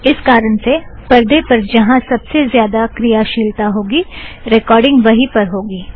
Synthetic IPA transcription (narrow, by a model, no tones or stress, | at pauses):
ɪskaːɾənsepɐɾd̪epɐɾd͡ʒɐɦãsɐbsezjaːd̪akɾijaʃiːlt̪aɦoːɡiːɾekɔːɾɖɪ̃ŋɡʋɐɦipɐɾɦoːɡiː